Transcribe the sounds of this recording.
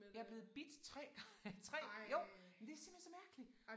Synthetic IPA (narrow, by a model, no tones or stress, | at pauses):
jɑɐb̥le̝ːð̩ˠb̥id̥t͡sʰʁɛ̰ːɡ̥ɑt͡sʰʁɛ̰ːjo̰mmend̥e̝æɐsimb̥hensɒ̽mæɐɡ̥əli̥